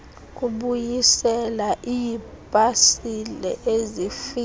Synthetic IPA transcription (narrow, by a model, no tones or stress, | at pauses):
k̬ʼuɓujisɛlaʔiji | b̥ʼʱasilɛ̰ʔezifi